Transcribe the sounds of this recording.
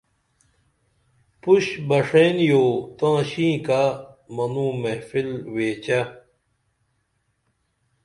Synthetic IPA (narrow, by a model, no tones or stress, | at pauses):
puɕbɐʂenjoːt̪ãːɕĩːkamɐnũːmefilweːt͡ɕɐ